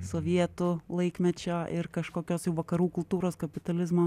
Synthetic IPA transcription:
soːʋʲiɛt̪ʊlˠɐɪkmʲɛt͡ʃʲoːʔɪɾkɐʃkoːkʲoːsjɛʊʋɐkɐɾuːkʊlˠt̪uːɾoːskɐpʲɪt̪ɐlʲɪzmoː

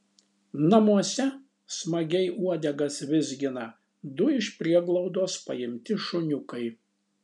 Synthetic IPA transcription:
nɐmuɔsʲɛ | smɐɡʲɛɪʔuɔd̪ʲɛɡɐsʋʲɪzʲɡʲɪnɐ | d̪ʊɪʃʲpʲɾʲiɛɡlˠɔʊd̪oːspɐjɪmʲt̪ʲɪʃʊnʲʊkɐɪ

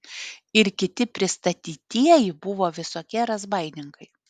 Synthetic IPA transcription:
ɪɾkʲɪt̪ʲɪpʲɾʲɪst̪ɐt̪ʲiːt̪ʲiɛjɪbʊʋoːʋʲɪsoːkʲiɛɾɐzbɐɪnʲɪŋkɐɪ

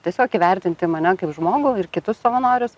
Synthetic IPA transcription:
t̪ʲiɛsʲoːkiʋʲɛrʲt̪ʲɪnʲt̪ʲɪmɐnʲɛkɐɪpʒmoːɡʊɪrkʲɪt̪ʊssoʋɐnoːɾʲʊs

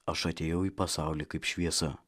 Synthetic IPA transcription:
ɐʃɐt̪ʲeːjɛʊiːpɐsɑˑʊlʲiːkɐɪpʃʲʋʲiɛsɐ

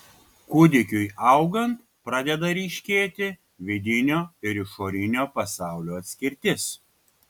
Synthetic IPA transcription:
kʊd̪ʲɪkʲʊjʔɐʊɡɐnt̪ | pɾɑd̪ʲɛd̪ɐɾʲiːʃʲkʲeːt̪ʲɪ | ʋʲɪd̪ʲɪnʲoːɪɾɪʃoːɾʲɪnʲoːpɐsɑˑʊlʲoːɐt̪ʲsʲkʲɪɾʲt̪ʲɪs

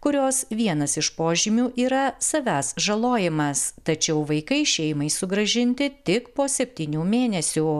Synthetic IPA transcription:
kʊɾʲoːsʋʲiɛnɐsɪʃpoːʒʲɪmʲuːʔiːɾɐsɐʋʲæːsʒɐlˠoːjɪmɐst̪ɐt͡ʃʲɛʊʋɐɪkɐɪʃʲɛɪmɐɪsʊɡɾɐʒʲɪnʲt̪ʲɪt̪ʲɪkpoːsʲɛpʲt̪ʲiːnʲuːmʲeːnʲɛsʲuː

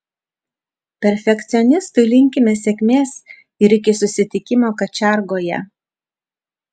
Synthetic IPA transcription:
pʲɛɾʲfʲɛkt̪sʲɪɔnʲɪst̪ʊɪlʲɪŋʲkʲɪmʲɛsʲɛkʲmʲeːs | ɪɾɪkʲɪsʊsʲɪt̪ʲɪkʲɪmoːkɐt͡ʃʲæˑɾɡoːjɛ̰

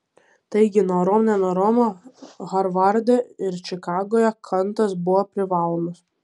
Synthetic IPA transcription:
t̪ɐɪɡʲɪnoːɾɔmnʲɛnoːɾɔmoɣɐɾʋɐɾʲd̪ʲoɪɾt͡ʃʲɪkɑːɡoːjɛkʰɐnˑt̪ɐsbʊʋoːpʲɾʲɪʋɑːlˠoːmʊs

